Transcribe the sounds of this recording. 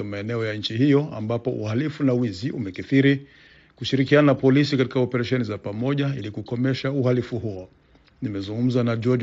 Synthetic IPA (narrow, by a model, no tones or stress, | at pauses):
amaɛnɛɔjaɲ̩t͡ʃiɦijɔa̰mbapɔʔṵhalifunawiziʔumɛkiθiɾi | kuʃiɾikianaapɔlisikati̥kaɔpɛɾaʃɛnizapamɔʄailikukɔmɛʃauhalifuɦuɔ | nimɛzuŋɡum̩zanad͡ʒɔd͡ʒ